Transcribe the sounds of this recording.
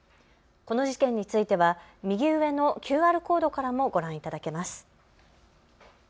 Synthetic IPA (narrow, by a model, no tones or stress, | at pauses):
ko̞no̞ʑikẽ̞ɲ̟ːit͡sɨit̪e̞βamʲiɡʲiɯβe̞no̞kʲɨːaːɾɯ̟ko̞ːd̪o̞kaɾamo̞ɡo̞ɾãɰ̃it̪ad̪ake̞masɨ̥